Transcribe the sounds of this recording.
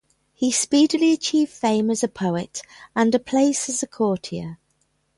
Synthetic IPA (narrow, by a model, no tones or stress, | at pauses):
hispiːdəliət͡ʃʰiːv̥d̥fẽɪ̃məzəpʰəʊɪtə̃nəpʰl̥eɪsəzəkʰɔˑtʰiə̰